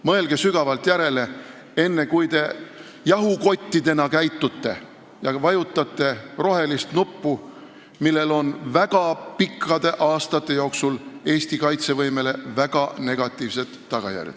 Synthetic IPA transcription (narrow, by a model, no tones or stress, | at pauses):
mɤelɡ̥e̞syɡ̥ɑvɑlt̪jæɾe̞le̞ | e̞nːe̞kujt̪e̞ | jɑɦuko̞t̪ʲːid̪e̞nɑkæjt̪ːˑut̪ːe̞̰ | jɑvɑjut̪ːˑɑt̪ˑːe̞ro̞ɦe̞list̪nupːu | milːe̞lo̞nvæɡ̥ɑpikʰˑːɑd̪̥e̞ʔɑːst̪ɑt̪ːˑe̞jo̞ːksule̞ːst̪ikɑjt̪se̞vɤjme̞le̞væɡ̥ɑne̞ɡ̥ɑt̪ˑːiːvset̪ːɑɡ̥ɑ̰jæ̰rʲjɑ̰d̪ˑ